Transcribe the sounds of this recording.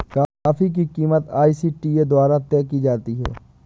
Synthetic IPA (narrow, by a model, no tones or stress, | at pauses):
kaːfik̬ikiːmət̪aːisiʈiːed̪waːɾat̪ɛːkid͡ʒaːt̪iɦɛ̰ː